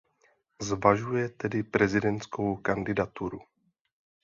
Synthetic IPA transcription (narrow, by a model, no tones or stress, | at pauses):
zvaʒujɛt̪ɛdɪpɾɛzɪdɛnt̪skowkandɪdat̪uɾu